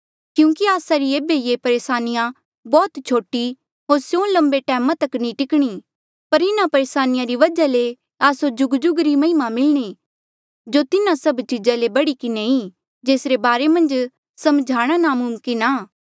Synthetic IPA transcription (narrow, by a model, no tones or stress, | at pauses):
kjũːkiaːsaɾieːbejepɐɾeːsaːnɪjã | bɔːt̪t͡ʃʰoːʈi | ɦoːɾsjõːlɐ̃mbeʈɛːmãt̪ɐkːnĩʈɪkɽ̃i | pɐɾɪnapɐɾeːsaːnɪjãɾiʋɐd͡ʒale | aːsod͡ʒʊɡd͡ʒʊɡɾimɐ̃ɪmamɪlɽ̃i | d͡ʒot̪ɪnãsɐbt͡ʃiːd͡ʒalebɐɽikɪnei | d͡ʒeːsɾebaːɾemɐ̃nd͡ʒ | sɐmd͡ʒʱaːɽ̃anamʊmkinaː